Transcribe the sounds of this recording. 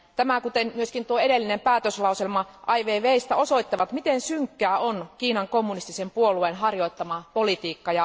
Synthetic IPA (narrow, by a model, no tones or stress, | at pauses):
t̪æmækut̪enmyøskint̪uoeɾelːinempæːt̪øslɑˑuselmɑʔɑiʋeːʋeist̪æosoit̪ːɑʋɑt̪mit̪ensyŋkːæːonkiːnɑŋkomːunist̪isempuolueːnhɑrjoit̪ːɑmɑpolit̪iːkːɑjɑ